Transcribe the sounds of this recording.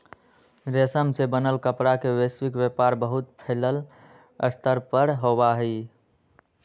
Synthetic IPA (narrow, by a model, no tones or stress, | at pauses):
ɾesəmsebənəlkəpɾakeweswikbepaɾbəɦut̪̚pʰeləl | əst̪ʰəɾpəɾɦobaɦɛi